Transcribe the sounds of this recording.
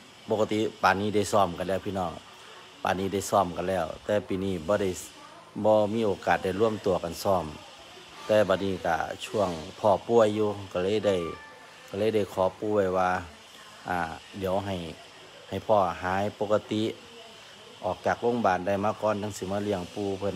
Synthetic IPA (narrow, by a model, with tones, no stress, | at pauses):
po˧kːa˧t̪i˧˨paː˨˩niː˧˩da˧˩jsɔː˧˩mka˨nlɛː˧˩˨wpʰiː˧nɔː˧˩ŋ | pa̰ː˨˩niː˧˩da˧˩jsɔː˧˩mka˨nlɛː˧˩˨wt̪ɛː˧˩piː˧˨niː˧˩˨bɔː˧˦ɾa˧˩˨j | bɔː˧˦miː˧˥˨ʔoː˨˩kaː˨˩t̪̚da˧˩jlu˧˩əmt̪u˨˩əka˨nsɔː˧˩m | t̪ɛː˧˩ba˧t̪̚niː˧˨ka̰˧˩t͡ɕʰu˧˩˨əŋpʰɔː˧˩pu˧˩əjːuː˧ka˧˩lɤː˧˥˨jda˧˩j | ka˧˩lɤː˧˨jda˧˩jkʰɔː˨˦puː˧˦wa˧˩jwaː˧ | ʔaː˧˩di˨˦əwɦa˨˩j | ha˨˩jpʰɔː˧˩ɦaː˨˦jpo˧ka˧t̪i˧˦ | ʔɔː˨˩k̚t͡ɕaː˨˩k̚lo˧˥˨ŋbaː˨˩nda˧˩jmaː˧˥˨kɔː˧˥nna˧˨ŋsiː˧˦maː˧˥˨li˧˨əŋpuː˧˩pʰɤ˧˨n